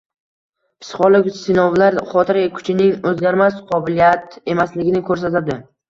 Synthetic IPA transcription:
pʰɪ̥sχɒlˠɪkʲsɪnɒvlaɾχɒt̪ʰɪɾakʰʊ̥t͡ʃʰɪnɪŋɵzɡʲaɾmasqʰɒbɪlijat̪e̞maslɪɡʲɪnɪkʰɵɾs̬at̪ad̪ɪ

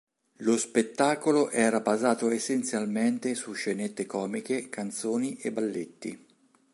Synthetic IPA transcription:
lospet̪ːaːkoloʔɛːɾabazaːt̪oesːent̪sjalment̪esuʃːenet̪ːekɔːmikekant̪soːniʔebːalːet̪ːḭ

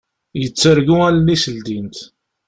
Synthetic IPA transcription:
jət͡sːəɾɡuællisəld̪int̪

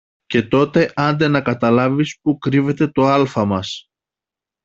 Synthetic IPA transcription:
ce̞t̪o̞t̪e̞ʔɐnd̪e̞nɐkɐt̪ɐlɐvispukɾive̞t̪e̞t̪o̞ɐlfɐmɐs

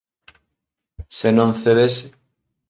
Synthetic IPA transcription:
senõnθeβes

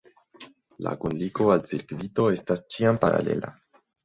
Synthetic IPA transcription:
la̰kunliko̞alsiɾkvito̞e̞stast͡ʃiampaɾa̰le̞̰la̰

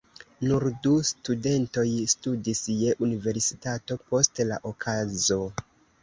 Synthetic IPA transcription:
nuɾdustude̞nto̞jstudisje̞ʔunive̞ɾsi̥tato̞po̞stla̰ʔokʰazo̞

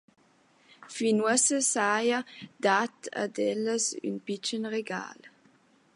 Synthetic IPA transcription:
finwəsəsajəd̪at̪a̰dɛləsy̰npit͡ʃənʁeɡa̰ːl

